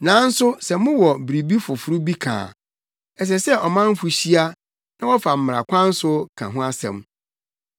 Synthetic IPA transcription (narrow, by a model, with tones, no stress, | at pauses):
nã˨˦n̩˦sʊ˦sɛ˨mʊ̃˦wɔ˨bɾi˨bi˦fʊ˨fʊ˦ɾu˦bi˦kʰã̰ː˨ | ɛ˨s̬ɛ˨sɛ˦ɔ˨mã˦m˦fʊ˨ɕi˦a˦ | nã˦wɔ˦fa˨m̩˨m˨ɾa̰˨kʷʰã˦n̩˦sʊ˦kʰã̰˨ɦʊ̃˦a˦sɛ̰̃˨m